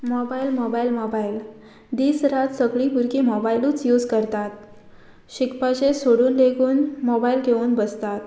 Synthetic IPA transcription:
mɔbailmɔbailmɔbail | d̪iːsɾat̪səɡlipuɾkiːmɔbailuːt͡sjuːd͡zkəɾt̪at̪̚ | ɕikpat͡ɕesoɽuːnleɡuːnmɔbailɡʱeʋuːnbəst̪at̪̚

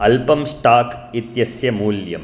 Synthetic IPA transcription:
ɐlpɐmsʈaːkit̪jɐsjɐmuːljɐ̰m

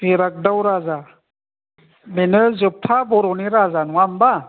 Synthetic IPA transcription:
miɾak̚dawɾaza | menɯzɯp̚tʰabɔɾɔniɾazanuwamba

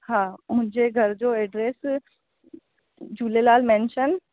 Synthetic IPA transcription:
hãːmʊ̃ɦɪ̃ɲd͡ʑeɡʱɐɾd͡ʑoːeːɖɾeːs | d͡ʑuːlelaːlmẽnʃən

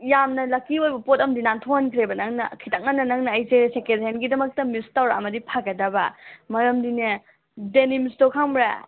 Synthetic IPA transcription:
jamnɐlɐkːiojbɐpotɐmdinantʰohɐnkʰɾebɐnɐŋnɐkʰitak̚ŋɐnːɐnɐŋnɐːjzesekedenɡidɐmɐk̚tɐmistawɾɐ̰mɐdipʰakɐdɐbɐmɐɾɐmdine | denimistokʰaŋbɾa̰

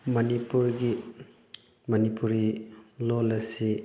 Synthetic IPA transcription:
mɐnipuɾɡi | mɐnipuɾilolɐsi

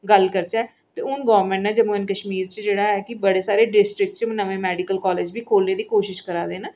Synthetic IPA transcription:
ɡəlkəɾt͡ʃaː | t̪eːʊnɡɔːɾmẽːɳʈnãːd͡ʒəmoːɪnkəʃmiːɾt͡ʃd͡ʒeːɽaːɛːkɪbəɽeːsaːɾeːɖɪsʈɾɪk̚ʈt͡ʃmnəʋẽːmɛːɖɪkəlkɔːleːd͡ʒbiːkʰoːlneːd̪iːkoːʃɪʃkəɾaːd̪eːnaː

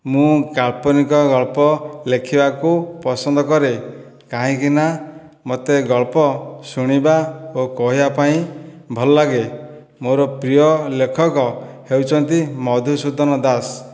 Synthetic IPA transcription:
mũkaɭpɔnikɔɡɔɭpɔlekʰibakupɔsɔnd̪ɔkɔɾe | kaɦĩkina | mɔt̪eɡɔɭpɔsuɽ̃ibaokɔɦibapaĩ | bʱɔlɔlaɡe | moɾɔpɾijɔlekʰɔkɔ | hewt͡ʃʰɔnt̪imɔd̪ʱusud̪ʱɔnɔd̪as

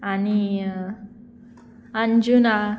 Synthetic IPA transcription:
ani | and͡ʒuna

